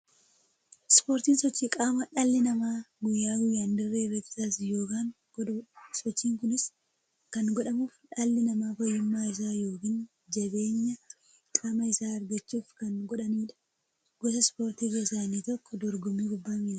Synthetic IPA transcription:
spo̞ːɾt̪iːnsɔt͡ʃːiːkʼaːmɐᶑɐlːɪnɐmaːɡʊjːaːɡʊjand̪ɪrːeːbɛt̪ɪ̥saːsjo̞ːkaːŋ | sɔt͡ʃːiːŋkʊnɪs | kɐnɡɔᶑɐmuːfᶑɐlːɪnɐmaːfɐjːɪmːaːɪs̬aːjo̞ːkɪn | d͡ʒɐbe̞ːɲːɐ | kʼaːmɐɪsaːɐɾɡɐt͡ʃːuːfkɐnɡɔᶑɐniːᶑɐ̥ | ɡɔsɐspo̞ːɾt̪iːɡeːsaːniːt̪ɔkːɔd̪ɔɾɡʊmiɡʊbːaːmɪlɐ

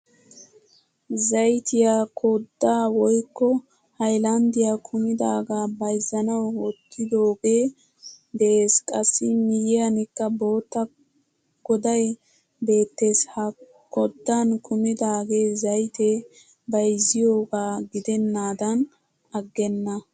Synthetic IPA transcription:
zɐjt̪ɪjaːkʰɔd̪ːaːwɔjkːɔ | hɐjlɐnd̪ɪjakʰʊmɪd̪aːɡaːbɐjzːɐnɐwwɔt̪ʰːɪd̪o̞ːɡe̞ː | d̪ɛʔeːskʼɐsːɪmɪjɪjɐnɪkːɐbo̞ːt̪ːɐ | ɡ̥ɔd̪ɐj | be̞ːt̪ːeːshɐ | kʰɔd̪ːankʰʊmɪd̪aːɡe̞ːzɐjt̪e | bɐjzːɪjo̞ːɡaːɡɪd̪ɛnːaːd̪ɐn | ɐɡːɛnːɐ

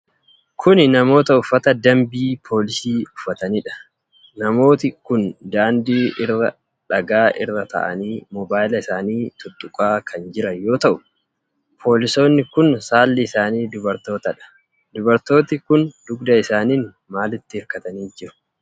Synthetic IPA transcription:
kʰʊnɪnɐmo̞ːt̪ɐʊfːɐt̪ɐd̪ɐmbiːpʰo̞ːlɪsiːʊfːɐt̪ɐniːᶑɐ̥ | nɐmo̞ːt̪ɪkʊnd̪aːnd̪iːʔɪrːɐ | ᶑɐɡaːʔɪrːɐt̪ɐ̰ʔɐ̰niːmɔbaːjɪlɐɪsaːniːt̪ʊt̪ʼːʊkʼaːkʰɐnd͡ʒɪɾɐjo̞ːt̪ɐʔʊ̥ | pʰo̞ːlɪso̞ːnːɪkʊnsaːlːɪɪsaːniːd̪ʊbɐɾt̪o̞ːt̪ɐᶑɐ̥ | d̪ʊbɐɾt̪o̞ːt̪ɪkʊnd̪ʊɡd̪ɐɪsaːniːn | maːlɪt̪ːɪhɪɾkɐt̪ɐniːnd͡ʒɪɾʊ̥

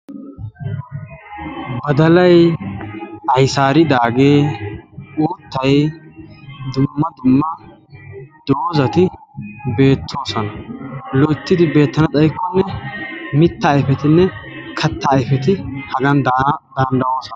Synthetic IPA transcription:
bɐd̪ɐlɐj | ɐjsaːɾɪd̪aːɡe̞ː | uːt̪ːɐj | d̪ʊmːɐd̪ʊmːɐ | d̪̥o̞ːzɐt̪ɪbe̞ːt̪ʰːo̞ːsɐnɐlɔt̪ːɪd̪ɪbe̞ːt̪ːɐnɐt̪ʼɐjkːɔnːɛmɪt̪ːɐɪfɛt̪ɪnːɛkʰɐt̪ːɐɪfɛt̪ɪhɐɡ̪ɐnd̪ɐnd̪ɐwo̞ːsɐnɐ

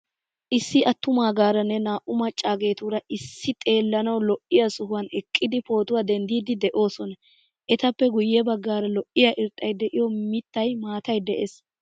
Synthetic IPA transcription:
ʔɪsːɪʔɐt̪ːʊmaːɡaːɾɐnːɛnaːʔʊmɐt͡ʃʼːaːɡe̞ːt̪uːɾɐʔɪsːɪt̪ʼe̞ːlːɐnɐwlɔʔɪjɐsʊhʊwɐnɛkʼːɪd̪ɪpo̞ːt̪ʊwaːd̪ɛnd̪iːd̪ɪd̪ɛʔo̞ːsɔnɐ | ʔɛt̪ɐpːɛɡʊjːɛbɐɡːaːɾɐlɔʔɪjaʔɪɾt̪ʼːɐjd̪ɛʔɪjɔmɪt̪ːɐjmaːt̪ɐjd̪ɛʔes

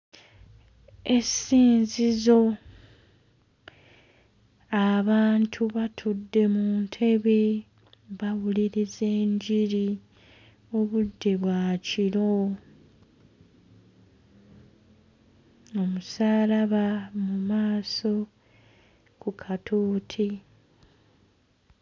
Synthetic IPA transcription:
e̞siːnzizo̞ | aβaːntʰuβatʰudːe̞muːntʰe̞βe̞ | βaβuliɾize̞ːɲɟiɾi | o̞βudːe̞βwaːciɾo̞ | o̞musaːlaβamumaːso̞ | kukʰatʰoːtʰi

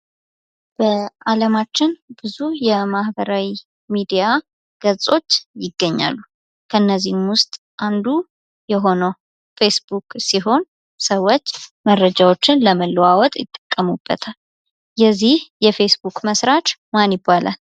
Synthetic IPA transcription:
b̥əaləmat͡ʃːɪnb̥ɨzujɛmahbəɾawi | mid̪ija | ɡ̥əsʼo̞t͡ʃːjɪɡːəɲːa̰lːu | kʰəɨnːəzːihmwʊst̪ʼ | ʔand̪u | jɛɦo̞nəw | fe̞sbukʼsiɦo̞n | səwːot͡ʃːməɾːəd͡ʒawo̞t͡ʃːɪnləməlːəwawɔt̪ʼjɪt̪ʼːə̥kʼːəmubːə̰t̪ʰal | jɛzːihjɛfe̞sbukməsɾat͡ʃmanjɪbːalʔa̰

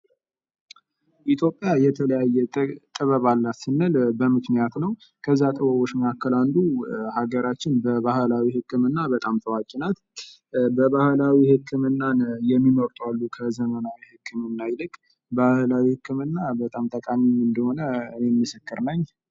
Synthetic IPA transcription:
ʔit̪ʰjo̞pʼːjajɛt̪ʰələjajːɛt̪ʼɨβəβalːasɨnːɨlbəmɨknijat̪nəw | kʰəzːat̪ʼɨβəβo̞t͡ʃməkʰakːɨland̪uhaɡəɾat͡ʃːɪnbəβahɨlawihɨkːɨmɨnːabət̪ʼamt̪ʰəwakʼinat̪ | bəβahlawihɨkːɨmɨnːanjɛmːiməɾt̪ʼwalːukʰəzəmənawihɨkʰːɨmɨnːajɪlɨkʼ | bahlawihɨkːɨmɨnːabət̪ʼamt̪ʰʼəkʼaɲːiɲɨnd̪əho̞nəɨne̞mːɨsɨkːɨɾnəɲː

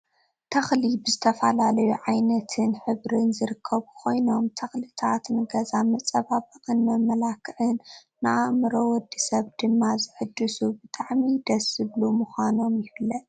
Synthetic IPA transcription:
t̪ʰɐxlibɨzɨt̪ʰɐfɐlalɐjuʕajnɐt̪ʰɨnħɨβɾɨnzɨɾɨkʰːɐβkʰo̞jno̞mt̪ʰɐxlit̪ʰat̪nɨɡɐzamɐt͡sʼɐβabɐqʼɨnːɐmɐlakʰːɨʕɨnː | ɨʔamɨɾowɔd̪ːisɐβd̪ɨmːazɨħɨd̪ːɨsubɨt̪ʼaʕmid̪ɐsɨβlumuxʷano̞mjɪfɨlːɐ

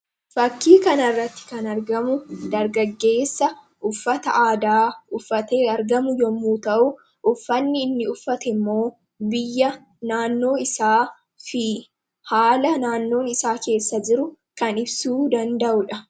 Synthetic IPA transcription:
fɐkːiːkɐnɐrːɐt̪ːɪ̥kɐnɐɾɡɐmʊd̪ɐɾɡɐɡːe̞ːsːɐ | ʔʊfːɐt̪ɐʔaːd̪aːʊfːɐt̪eːɐɾɡɐmʊjɔmːuːt̪ɐʔʊ | ʔʊfːɐnːɪːnːɪʊfːɐt̪ɛɪmːo̞ː | bɪjːɐ | naːnːo̞ːɪsaː | fɪ | haːlɐnaːnːo̞ːnɪsaːke̞ːsːɐd͡ʒɪɾʊ | kɐnɪbsuːd̪ɐnd̪ɐʔʊᶑɐ

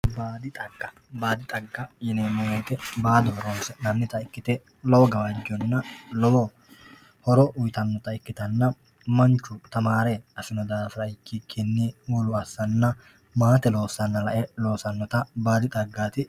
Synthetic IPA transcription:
baːd̪ɪt̪ʼɐɡːɐ | baːd̪ɪt̪ʼɐɡːɐjɪnɛmɛjɛːt̪ɛbaːd̪ɔhɔɾoːsɛnɐnːɪt̪ɐɪkːɪt̪ɛ | lɔwɔɡɐwɐd͡ʒɔnːɐlɔwɔ | hɔɾɔʔʊjt̪ɐnːɔt̪ɐɪkːɪt̪ɐnːɐ | mɐnt͡ʃːʊt̪ɐmaːɾeɐsɪnɔd̪aːfɾɐɪkːɪkʰɛnːiːuːlʊɐsːɐnːɐ | maːt̪ɛlo̞ːsɐnːɐlɐʔɛlo̞ːsɐnːɔt̪ɐbaːd̪ɪt̪ʼɐɡːaːt̪ɪ

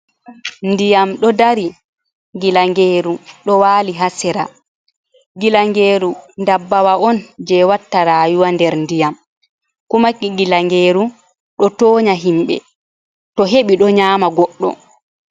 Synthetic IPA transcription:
ndijamɗɔdaɾi | ɡilaŋɡeːɾuɗɔwaːliɦasɛɾa | ɡilaŋɡeːɾundabːawaʔɔnd͡ʒɛwatːaɾaːjuwandɛɾndijam | kumakːiɡilaŋɡeːɾu | ɗɔtoːɲaɦimɓɛ̰ | tɔɦeɓiɗɔɲaːmaɡɔɗːɔ̰

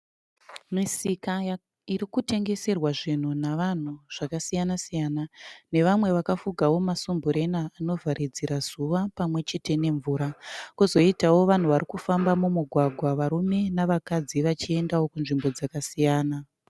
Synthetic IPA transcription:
misika | iɾikute̞ŋɡe̞se̞rwaʐin̤unaʋan̤uʐ̥akasijanasijaːnane̞ʋamwe̞ʋakafuɡʱawo̞masumbuɾe̞naːno̞vʱaɾid͡ziɾazuʋapamwe̞t͡ʃe̞te̞ne̞ɱvuːɾakuzo̞itawo̞ʋan̤uʋaɾikufambamumuɡʱwaɡʱwaʋaɾume̞naʋakad͡ziʋat͡ʃie̞ndawo̞kunʐimbo̞d͡zakasijaːna

